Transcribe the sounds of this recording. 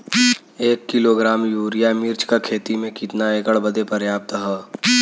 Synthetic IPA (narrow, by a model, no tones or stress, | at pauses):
eːkːɪloɡɾaːmjuːɾijamɪɾt͡ʃkakʰeːt̪imẽkɪt̪naeːkəɽbɐd̪epɐɾjaːp̚t̪ɦɛː